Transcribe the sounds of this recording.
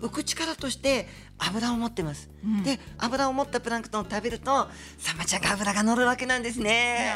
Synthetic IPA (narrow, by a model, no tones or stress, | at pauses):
ɯ̟kɯ̟t͡ɕi̥kaɾat̪o̞ɕi̥t̪e̞ | abɯ̟ɾaomo̞t̪ːe̞masɨ̥d̪e̞abɯ̟ɾaomo̞t̪ːapɯ̟ɾãŋkɯ̟̥t̪ot̪abeɾɯ̟t̪o̞ | samat͡ɕaɡabɯ̟ɾaɡano̞ɾɯ̟βake̞nãnd̪e̞s̬ɨne̞